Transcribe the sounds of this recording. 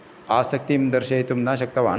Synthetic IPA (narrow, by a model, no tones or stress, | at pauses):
aːsɐk̚t̪imd̪ɐɾɕɐt̪umnaɕɐk̚t̪ɐʋa̰ːn